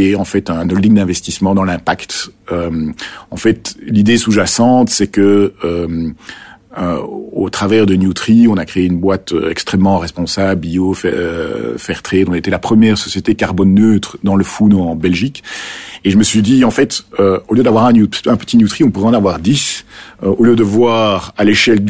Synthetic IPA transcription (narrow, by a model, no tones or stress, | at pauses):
ɛɑ̃fɛt̪ɛ̃nɔld̪iŋd̪ɛ̃vɛst̪ismɑ̃d̪ɑ̃lɛ̃pakt̪ømɑ̃fɛt̪lid̪esuʒasɑ̃t̪sɛkəøm̰ | ot̪χavɛʁd̪ənjut̪χiɔ̃nakχeeynbwat̪ø̰ɛ̰kst̪χɛmːɑ̃ʁɛspɔ̃sabiofɛ̰fɛʁt̪χed̪ɔ̃et̪ɛlapχəmjɛʁsɔsjet̪ekaʁbɔnːøːt̪χd̪ɑ̃ləfunɑ̃bɛlʒikeʒəməsɥid̪iɑ̃fɛt̪øoljød̪avwaʁɛ̃njut̪sɛ̥pɛ̃pə̥t̪injut̪χiɔ̃puʁɛɑ̃navwaʁd̪isøoljød̪əvwaːʁaleʃɛld̪